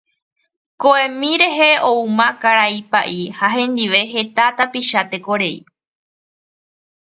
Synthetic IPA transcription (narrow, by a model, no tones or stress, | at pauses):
koẽmĩɾe̞ɦe̞oumãkaɾaipaʔihaɦẽ̞nd̪iʋe̞ɦe̞t̪at̪apiʃat̪e̞ko̞ɾe̞ḭ